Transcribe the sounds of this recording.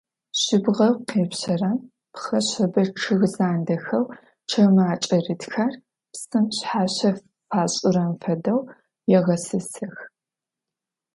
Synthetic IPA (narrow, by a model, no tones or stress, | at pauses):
ɕɪbʁɐqeːpɕɐrɐm | pxɐɕɐbɐʈ͡ʂʰɨɣzaːndɐxɐw | ʈ͡ʂʰɐmaːt͡ʃʼɐrɨtxar | psɨmɕħaːɕɐ | faːɕʼʊɾɐmfɐdɐw | jɛʁɐsɨsɨx